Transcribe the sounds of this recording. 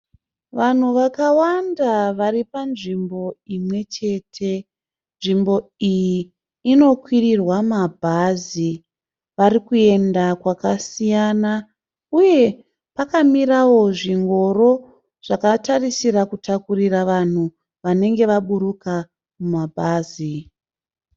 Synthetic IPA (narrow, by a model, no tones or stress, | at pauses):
ʋan̤uʋakawandaʋaripanʐimbo̞imwe̞t͡ʃe̞ːtʰe̞ | nʐimbo̞ijiː | no̞kwirirwamabʱazi | ʋaɾikue̞ndakwakasijaːna | uje̞ | pakamirawo̞ʐiŋɡo̞ro̞ | ʐ̥akatarisiɾakutakuriraʋan̤u | ʋane̞ŋɡe̞ʋaɓuɾuka | mumabʱaːzi